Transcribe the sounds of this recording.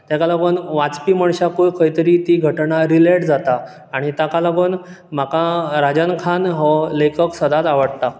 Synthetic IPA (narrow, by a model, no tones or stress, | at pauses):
t̪jakalaɡoːnʋat͡spiːməɳɕakojkʰəjt̪əɾiːt̪iːɡʱəʈɳaɾileʈd͡zat̪aː | ɽ̃it̪akalaɡoːn | m̤akaɾad͡ʑənkʰanɦɔlekəksəd̪at̪aʋəɽt̪a